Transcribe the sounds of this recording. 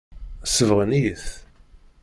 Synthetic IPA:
səvʁəniθ

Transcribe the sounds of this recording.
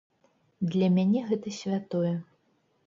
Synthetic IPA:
d̪lʲɐmʲanʲɛɣɛt̪ɐsʲvʲat̪ɔjɛ

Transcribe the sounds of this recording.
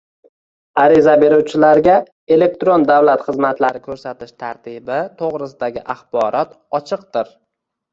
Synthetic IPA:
aɾɪzabe̞ɾuwt͡ʃʰɪlaɾɡʲa | e̞le̞k̚t̪ɾond̪awlat̪χɨzmat̪laɾɪkʲʰɵɾsat̪ʰɪʃt̪ʰaɾt̪ʰɪbɪt̪ʰoʁɾɪsɪd̪aɡʲɪʔaχbɒɾɒt̪ | ɒt͡ʃʰɨq̚d̪ɪɾ

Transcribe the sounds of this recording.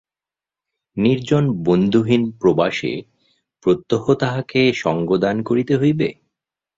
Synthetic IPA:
niɾd͡ʑonbond̪ʱuɦinpɾobaʃḛ | pɾot̪ːoɦot̪aɦakeʃɔŋɡod̪ankoɾit̪eɦojbe

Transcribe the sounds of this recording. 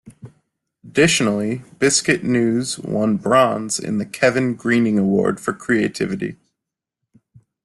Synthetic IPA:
ədɪʃn̩l̩ˠib̥ɪskɨʔnʉzwʌ̰̃nbɹɑ̃nz̥ɪ̰̃nðɨkʰɛvɨ̃nɡɹĩnɪ̃ŋəwɔ̰ɹd̥fə˞kʰɹ̥ieɪtʰɪ̰vɨɾḭ

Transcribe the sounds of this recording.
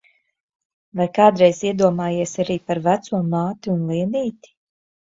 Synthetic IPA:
vajkaːd̪ɾɛjziɛd̪uɔmaːjiɛsaɾiːpaɾvæt̪suɔmaːt̪iunlˠiɛniːt̪i̥

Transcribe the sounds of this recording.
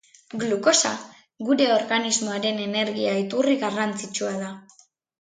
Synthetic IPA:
ɡluko̞sa | ɡuɾe̞o̞ɾɣanizmoaɾe̞ne̞ne̞ɾɣiait̪uriɣarant͡sit͡ʃuaða

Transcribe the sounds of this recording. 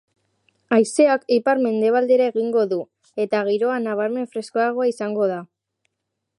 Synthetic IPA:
ajse̞akejpaɾme̞nd̪e̞β̞ald̪e̞ɾae̞ɣiŋɡo̞ðu | e̞t̪aɣ̞iɾo̞anaβ̞aɾme̞ɱfɾe̞skoaɣ̞o̞aisaŋɡo̞ð̞a

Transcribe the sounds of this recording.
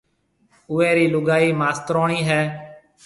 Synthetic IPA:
ʊeːɾiːlʊɡaːiːmaːst̪ɾoːɳiːɦɛː

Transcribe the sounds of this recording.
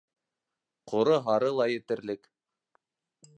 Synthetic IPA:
qʰŏɾɤɦɑɾɤlˠɑjɘ̆t̪ɘ̆ɾlɘk

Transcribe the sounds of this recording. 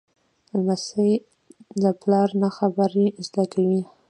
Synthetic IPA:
masəj | d̪əplɑɾnaxabaɾizd̪akawi

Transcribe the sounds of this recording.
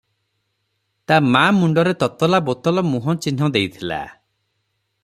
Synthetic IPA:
t̪amamuɳɖɔɾet̪ɔt̪ɔlabot̪ɔlɔmuɦɔ̃t͡ʃin̤ɔd̪ejt̪ʰila̰

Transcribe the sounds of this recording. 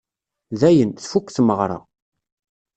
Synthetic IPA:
ðæjənθfukʷːθməʁɾˤɑ̰

